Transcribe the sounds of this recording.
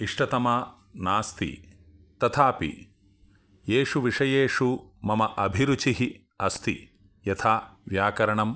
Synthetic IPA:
iʂʈɐt̪ɐma | naːst̪ḭ | t̪ɐt̪ʰaːpḭ | jeːʂuʋiʂɐjeːʂumɐmɐʔɐbʱiɾut͡ʃiɦi | ɐst̪i | jɐt̪ʰaːʋjaːkɐɾɐɳɐm

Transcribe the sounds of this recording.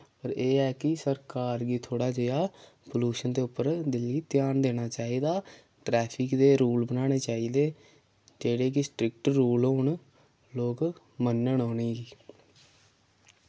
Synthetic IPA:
pəɾeːɛːkɪsəɾkaːɾɡiːt̪ʰoːɽaːd͡ʒeaː | poluːʃənd̪eːʊpːəɾd̪ɪlːiːt̪ɪjaːnd̪eːɽ̃aːt͡ʃaːiːd̪aː | ʈɾɛːpʰɪkd̪eːɾuːlbənaːɽ̃eːt͡ʃaːiːd̪eː | d͡ʒeːɽeːk̬ɪsʈɾɪk̚ʈɾuːlɦoːɳ | loːk | mənːəɳɦoːniːɡiː

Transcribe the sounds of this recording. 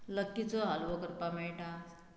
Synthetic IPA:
ləkːit͡sɔɦalʋɔkəɾpameɭʈa

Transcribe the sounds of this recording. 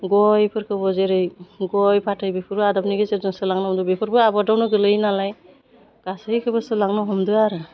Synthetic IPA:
ɡɔjpʰɯɾkʰɯbɔzeɾɯjɡɔjpʰatʰɯjbepʰɯɾbɯadapniɡezezɯŋsɯlaŋnaɔmdɯbepʰɯɾbɯabɔdawnɯɡɯlɯjnalaj | ɡ̥asɯkʰɯbɯsɯlaŋnɯɦɔmdɯaɾɯ

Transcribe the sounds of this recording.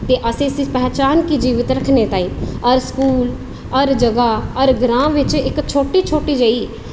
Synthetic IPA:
t̪eːʔəsẽːsɪpɛːt͡ʃaːnkiːd͡ʒiːʋɪt̪ɾəkʰneːt̪aːĩːɔɾskuːl | ɔɾd͡ʒəɡaːɔɾɡɾãːʋɪt͡ʃɪkt͡ʃʰoːʈiːt͡ʃʰoːʈiːd͡ʒaːiː

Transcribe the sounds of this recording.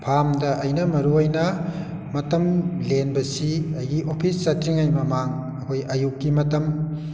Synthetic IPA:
pʰamdɐʔɐjnɐmɐɾuɐjnɐ | mɐtɐmlenbɐsiɐjɡiʔopʰisːɐtɾiŋajmɐmaŋ | ɐkʰojɐjukːimɐtɐm

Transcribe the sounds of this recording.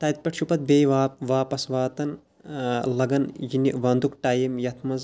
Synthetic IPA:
t̪ɐːt̪̚pʲɐʈʃupɐt̪̚beːjʋaːʋaːpɐsʋaːt̪ɐn | lɐɡɐnjiniʋɐnd̪ukʈaːjɐmjɐt̪ʰmɐz

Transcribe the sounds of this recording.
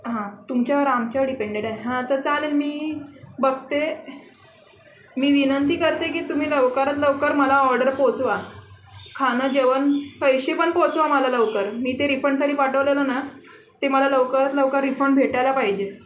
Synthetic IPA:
ɦãt̪umt͡ɕjaʋəɾamt͡ɕaɖipeɳɖeɽaeɦãt̪əɾt͡salelmiːbəɡ̚t̪e | miːʋinənt̪iːkəɾt̪ek̬iːt̪um̤iːləʋkaɾat̪ləʋkəɾməlaɔɾɖəɾpot͡sʋa | kʰanəd͡ʑeʋənpəjɕepəɳpot͡sʋaməlaləʋkəɾmiːt̪eɾifəɳɖsaʈiːpaʈʰəʋleləna | t̪eməlaləʋkaɾat̪ləʋkaɾːifɾəɳbʱeʈajlapaɦid͡ʑe

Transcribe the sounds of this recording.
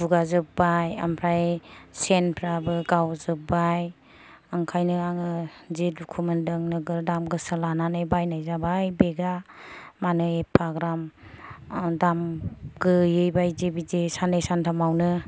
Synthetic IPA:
buɡazɯk̚baja̰mpʰɾajsenpʰɾabɯɡawzɯp̚baj | aŋkʰajnɯaŋɯzedukʰumɯndɯŋnɯɡɯɾdamɡɯsɯlananɯjbajnajzabajbeɡamanɯepʰaɡɾam | damɡɯjɯjbajzebizesanesantʰamawnɯ

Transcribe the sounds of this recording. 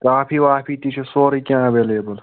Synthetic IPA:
kaːpʰiːʋaːpʰiːt̪it͡ʃʰesoːɾikʲãːʋeːleːbɐl

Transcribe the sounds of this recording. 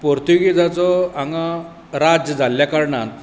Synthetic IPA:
poɾt̪uɡit̪at͡sɔaŋɡa | ɾad͡zjəd͡zʱalːjakaɾɳa̰t̪

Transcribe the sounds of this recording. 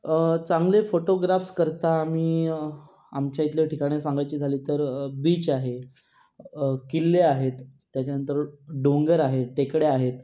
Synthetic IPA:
t͡saŋɡlefoʈoɡɾafskəɾt̪aːmiː | amt͡ɕjait̪ljəʈikaɽ̃esãŋɡajt͡ɕiːd͡zʱaliːt̪əɾbiːt͡ɕaɦe | kilːeaɦet̪ː | jat͡ɕjanənt̪əɾɖõŋɡəɾaɦeʈekɽeaɦet̪

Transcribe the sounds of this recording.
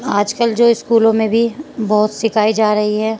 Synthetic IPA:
aːd͡ʒkəld͡ʒoːɪskuːlõmẽbʱibɔɦʊt̪sɪkʰaːid͡ʒaːɾɐɦiɦɛː

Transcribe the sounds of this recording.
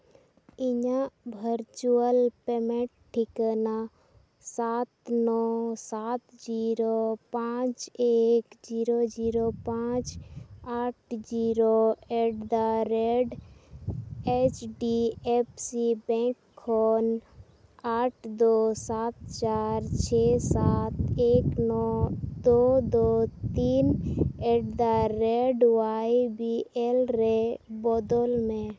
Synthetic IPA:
ɪɲãbʱəɾt͡ʃuəlpeːmẽʈʈʰːikəna | saːt̪nɔsaːt̪d͡ʒiɾopãːt͡ʃeːkd͡ʒiːɾod͡ʒiːɾopãːt͡ʃaːʈ̚ʰd͡ʒiɾoeɖd̪aɾeɖ | et͡ʃɖiepsibɛ̃ːkʰːɔːn | aːʈʰd̪oːsaːt̪̚t͡ʃaːɾt͡ʃʰesaːt̪eːknɔd̪od̪ot̪iːneʈd̪aɾeɖwaibielɾebɔːd̪olmẽ

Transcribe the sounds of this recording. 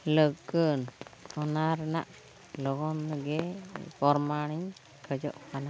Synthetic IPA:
ləɡənɔnaɾna̰ʔ | lɔɡɔnɡɛpɔɾmaɽ̃iɲ | kʰəd͡ʒɔ̰ʔkana

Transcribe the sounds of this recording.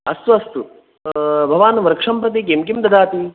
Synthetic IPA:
ɐsʋɐst̪u | bʱɐʋaːnʋɐɾkʂɐmpɐt̪̬ik̬emkimd̪ɐd̪ʱaːt̪i

